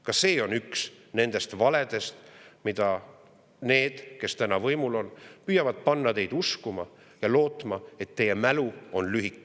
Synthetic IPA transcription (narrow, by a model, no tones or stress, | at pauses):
kɑse̞ːo̞nyks | ne̞nd̪̥e̞st̪vɑle̞d̪̥e̞st̪mid̪̥ɑ | ne̞ːd̪̥ke̞st̪ænɑvɤjmulo̞npyːjɑvɑd̪̥̚pɑnːɑt̪e̞jd̪̥uskumɑ | jɑlo̞ːt̪ˑmɑe̞t̪ːe̞jemæluo̞nlyɦikːˑ